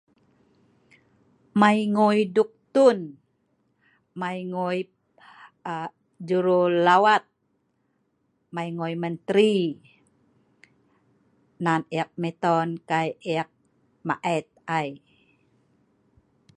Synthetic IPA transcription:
majŋojduk̚t̪un | majŋoj | d͡ʒuɾolawat̪̚ | majŋojmənt̪ɾi | naneak̚mɛt̪ɔnkajeak̚ | ma̰ʔɛt̪̚aj

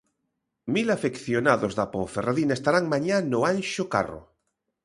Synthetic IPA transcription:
milafekθjonaðozðapoɱferaðinaest̪aɾaŋmãɲanoanʃoka̰ro̰

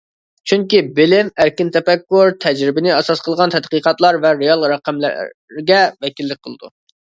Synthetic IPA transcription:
t͡ʃʰyŋkʲibɪlɪmæɾkʲɪnt̪ʰɛpɛkːuɾt̪ʰɛd͡ʒɾɪbɪnɪɛsɑsqəlˠəʁɑnt̪ʰɛt̪qəqɑt̪lˠɑɾvɛɾejɑlˠɾɛqæml̰ɾɡʲɛvɛkʲilːɪk̚ʲqʰəlˠɨd̪ṵ

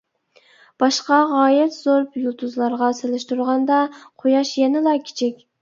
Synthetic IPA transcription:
b̥ɑʃqɑʁɑːjɪt̪z̥oɾpjulˠt̪ʰuzlˠɑɾʁɑselɪʃt̪uɾʁɑnd̪ɑqʰojɑʃjɛnɪlˠɑkʲʰi̥t͡ʃʰɪkʲ

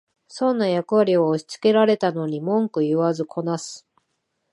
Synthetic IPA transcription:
sõ̞nːajakɯ̟βaɾʲioːɕi̥t͡sɨ̥ke̞ɾaɾe̞t̪ano̞ɲ̟imõ̞ŋkɯ̟ɯβazɨkʰo̞nasɨ̥

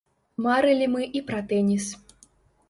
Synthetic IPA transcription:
maɾɨlʲimɨʔipɾat̪ɛnʲis

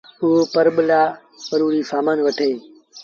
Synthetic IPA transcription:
ɦupəɾɓɪlaː | pəɾuːɾiːfaːmaːnʋəʈʰeː

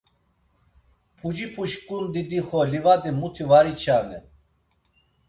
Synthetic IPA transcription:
pʰud͡ʒipʰuʃkʼund̪id̪iχɔlivad̪imut̪ʰivaɾit͡ʃʰanɛ

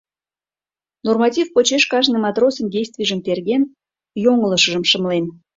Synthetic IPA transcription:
normɑtʲifpot͡ɕeʃkɑʒnɨmɑt̪rosənɡʲejsʲt̪vʲiʒəmt̪erɣʲen | joŋələʃə̆ʒəmʃəmlen

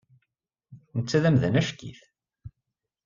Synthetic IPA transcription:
nət͡sːæðæmðænæʃkːḭθ

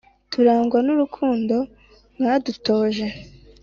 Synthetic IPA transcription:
tʰuɾaːŋɡwanuɾukʰuːndo̞ | ŋaːduto̞ːʒe

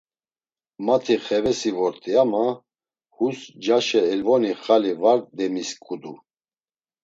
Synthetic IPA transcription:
mat̪ʰiχɛvɛsivɔɾt̪ʼiama | husd͡ʒaʃɛːlvɔniχalivaɾd̪ɛmiskʼud̪u

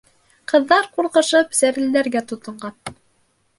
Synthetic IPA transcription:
qɤ̆ðːɑɾquɾqɤ̆ʃɤpsæɾɘ̆ld̪æɾɡæt̪ŏt̪ɤ̆ɴˠɢɑn

